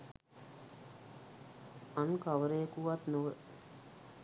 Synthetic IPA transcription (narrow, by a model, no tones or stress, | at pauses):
ankaʋəɾejəkuʋat̪noʋə